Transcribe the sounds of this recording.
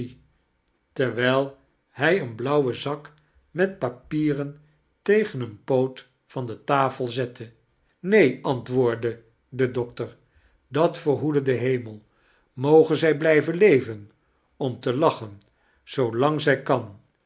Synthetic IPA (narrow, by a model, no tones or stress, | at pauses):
tɛɹʋɛjlˠ | hɛjənblʌwəzɑk | mɛt̚papiːrən | tejχənənpowt | fɑndətaːfəlˠzɛtʰə | nejɑntʋʊːɹdə | dədɔk̚təɹ | dɑtfəɹɦudədəɦejməlˠ | mowχənzɛjblɛjvənlejvən | ɔmtəlɑχən | z̥owlɑŋzɛjkɑn